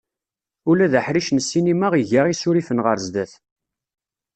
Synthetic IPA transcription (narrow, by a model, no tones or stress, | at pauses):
ulæðəħɾiʃnəsːinimaʁiʝaʁisʊɾifənʁəɾzd̪æθ